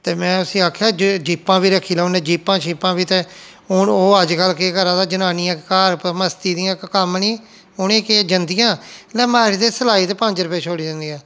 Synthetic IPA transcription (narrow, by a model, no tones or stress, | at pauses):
t̪eːmɛ̃ːʊsĩːaːkʰjaːd͡ʒd͡ʒiːpːãːbiːɾəkʰiːlɛːʊnẽːd͡ʒiːpːãːt͡ʃʰiːpãːbiːt̪eː | ʊoːəd͡ʒkəlkekəɾãːd̪aːd͡ʒənaːnijãːkaːɾpməst̪iːd̪ɪjãːkkəmnĩː | ʊnẽːked͡ʒənd̪ɪjãːlɛ̃ːmaːɾt̪eːsəlaːiːt̪eːpəɲd͡ʒɾəpeːt͡ʃʰoːɽiːd͡ʒãːnd̪ijãː